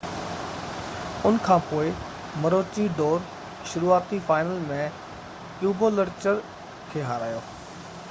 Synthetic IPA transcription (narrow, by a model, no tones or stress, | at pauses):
ʊnkʰãːpoːɪ | mɐɾoːt͡ʃiɖoːɾ | ʃʊɾuːaːt̪ifaːɪnəlmẽ | juːɡoːləɾt͡ɕəɾ | kʰeːɦaːɾaːjoː